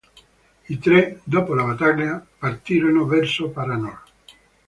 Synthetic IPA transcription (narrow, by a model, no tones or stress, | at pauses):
it̪ɾɛd̪ɔːpolabat̪aɲapart̪iːɾonovɛrsopaɾanɔl